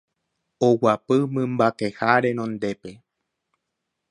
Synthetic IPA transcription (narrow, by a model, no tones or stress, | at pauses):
owapɨmɨ̃mbakehaɾenõnd̪e̞pe̞